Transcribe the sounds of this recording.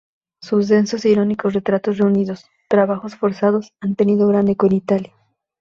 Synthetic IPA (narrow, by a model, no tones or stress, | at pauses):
susðenso̞siɾo̞niko̞sre̞t̪ɾat̪o̞sre̞uniðo̞s | t̪ɾaβaxo̞sfo̞ɾsaðo̞sant̪e̞niðo̞ɣɾand̪ekenit̪alja